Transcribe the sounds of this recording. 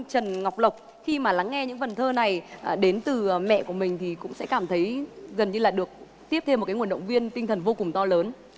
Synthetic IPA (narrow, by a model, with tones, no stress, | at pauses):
t͡ɕə˨˩nŋa˨˩wk͡p̚lə˨˩wk͡p̚ | xi˧maː˨˩la˨˦ŋːɛ˧ɲɨ̰˧˥ŋfə˨˩nt̪ʰəː˧na˨˩jɗe˨˦nt̪ɨ˨˩˨mɛ̰˧˨ku˧˩əmï˨˩ŋ̟t̪ʰi˨˩kʊ̰˧˥ŋ͡msɛ̰˧˥kaː˧˩mt̪ʰə˨˦jɣə˨˩nɲɨ˧laː˨˩ɗɨ˨˩ək̚ | t̪i˦˥əp̚t̪ʰe˧mːo˨˩kaː˨˦ŋwəɗə̰˧˨wŋ͡mvi˧ənt̪ï˧ŋ̟t̪ʰə˨˩nvo˧kʊ˨˩ŋ͡mt̪ɔ˧ləː˨˦n